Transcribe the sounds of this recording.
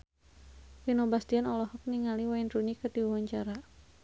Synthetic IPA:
winɔbast̪ianɔlɔhɔk̚niŋaliwainrunikədiwawaɲt͡ʃaɾa

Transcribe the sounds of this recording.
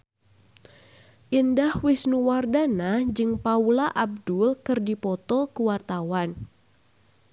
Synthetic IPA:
ʔindahwɪsnuwardanad͡ʒɨŋpaulaʔab̚dulkɨrdipɔt̪ɔkuwart̪awan

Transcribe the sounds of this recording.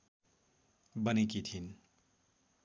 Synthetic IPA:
bənikit̪ʰin

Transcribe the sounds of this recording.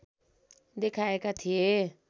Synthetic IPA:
d̪ekʰaekat̪ʰije

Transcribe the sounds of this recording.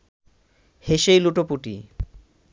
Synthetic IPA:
heʃejluʈopuʈḭ

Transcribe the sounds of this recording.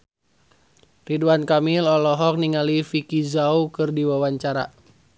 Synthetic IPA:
riduankamilɔlɔɦɔk̚niŋalifikizaukɨrdiwawaɲt͡ʃaɾa̰

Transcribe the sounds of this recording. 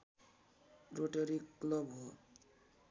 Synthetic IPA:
ɾoʈeɾikːlɔbɦo

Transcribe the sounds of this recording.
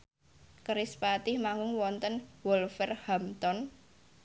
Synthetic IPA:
kəɾɪspat̪ɪhmaŋɡʊŋwɔnt̪ənwɔlfɛrhamt̪ɔn

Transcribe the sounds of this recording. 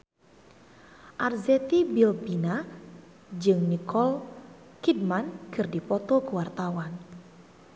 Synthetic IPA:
ʔarzɛt̪ibilbina | d͡ʒɨŋnikɔl | kid̚mankɨrdipɔt̪ɔkəwart̪awan

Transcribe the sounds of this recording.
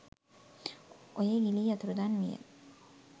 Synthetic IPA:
ʔojeːɡiliːɐt̪uɾud̪aːnmijḛ

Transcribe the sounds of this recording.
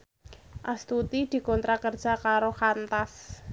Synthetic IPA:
ʔast̪ut̪id̪̥i̤kɔnt̪ɾakərd̥ʒ̥a̤kaɾoxant̪as

